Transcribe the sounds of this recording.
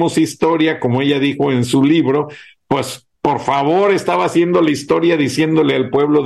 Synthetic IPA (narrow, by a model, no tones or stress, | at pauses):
mosist̪o̞ɾjako̞mo̞e̞ʝaðixo̞ensuliβɾo̞ | pwe̞s | po̞ɾfaβo̞ɾe̞st̪aβaːsje̞nd̪o̞laist̪o̞ɾjaðisje̞nd̪o̞le̞alpwe̞β̞lo̞